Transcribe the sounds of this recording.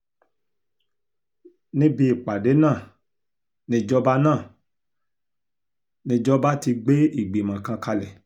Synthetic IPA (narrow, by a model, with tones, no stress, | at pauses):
nĩ˦bi˧i˨k͡pa˨de˨˦nãː˦˨ | nĩ˧d͡ʒɔ˦ba˦nãː˦˨ | nĩ˧d͡ʒɔ˦ba˦ti˧ɡ͡be˦i˦˨ɡ͡bi˨mã˨kã˧ka˧lɛ˨